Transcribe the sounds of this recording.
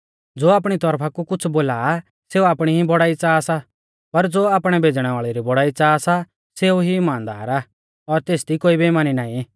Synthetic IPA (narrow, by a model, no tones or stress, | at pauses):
d͡zoːaːpɽ̃it̪ɔɾpʰakukʊt͡sʰboːlaː | seːuaːpɽ̃iɦibɔɽaːit͡saːsa | pɐɾd͡zoːaːpɽ̃ɛbʱeːd͡zɽ̃ɛʋaːɭɛɾibɔɽaːit͡saːsa | seːuɦiɪmãːnd̪a̰ːɾaː | ɔɾt̪eːsd̪ikoːibimaːninaːĩ